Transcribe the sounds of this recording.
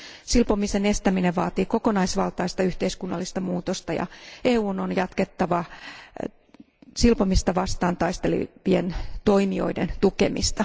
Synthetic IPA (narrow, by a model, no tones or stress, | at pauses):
silpomisenest̪æmineʋʋɑːt̪iːko̞konɑisʋɑlt̪ɑist̪ɑyht̪eiskunːɑ̰lːist̪ɑmuːt̪ost̪ɑjɑ̰eːuːnonjɑt̪ket̪ːɑʋɑ | silpomist̪ɑʋɑst̪ɑːnt̪ɑist̪elḭʋient̪o̞imio̞̰ident̪uke̞̰mḭst̪ɑ